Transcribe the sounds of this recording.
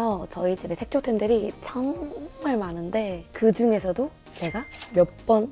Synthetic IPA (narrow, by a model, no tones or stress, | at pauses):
ʌt͡ɕʌit͡ɕimesʰe̞k̚t͡ɕ͈ʰotʰemdɯɾit͡ɕʰʌŋmaɭmanɯnde̞kɯd͡ʑuŋe̞sʰʌdo | t͡ɕe̞ɡamjʌp͈ʌn